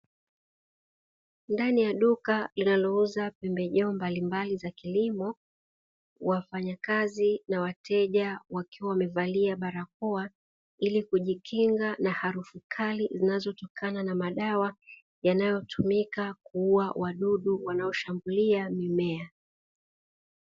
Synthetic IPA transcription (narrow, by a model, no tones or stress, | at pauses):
ndanijaɗukalinalɔuzapɛmbɛʄɛɔmbalimbalizakilimɔ | wafaɲakazinawatʰɛʄawakiwawamɛvaliaɓaɾak̚ɔa | ilikuʄikʰiŋɡanahaɾufukʰalizinazɔtɔkʰananamaɗawa | janajɔtʰumikakuuawʔaɗuɗuwanaɔʃambuliamimɛa